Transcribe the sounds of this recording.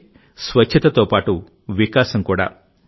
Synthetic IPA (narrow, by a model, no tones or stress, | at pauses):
sʋɐt͡ʃt͡ʃʰɐt̪ɐt̪oːpaːʈu | ʋikaːsɐmkuːɽa̰ː